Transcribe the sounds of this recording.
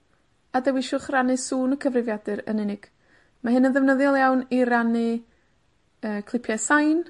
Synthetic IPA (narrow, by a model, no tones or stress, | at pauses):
adɛwɪʃʊχranɨsuːnəkʰəvrɪvjadɨɾə̰nɪnɪɡ̥ | maɦɨnənðɛvnəðjɔlˠjawniɾanɨ | əːkʰlˠɪpʰjasajn